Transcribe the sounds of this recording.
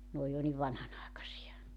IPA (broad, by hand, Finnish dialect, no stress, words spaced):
n oːj jo niʋ ʋɑnhɑnɑˑekɑsiɑ